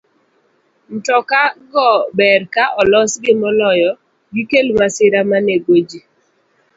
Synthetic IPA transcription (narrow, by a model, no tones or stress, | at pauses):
n̩tɔkaɡɔbɛɾkaʔɔlɔsɡɪmɔlɔjɔ | ɡikelmasɪɾamaneɡod͡ʒi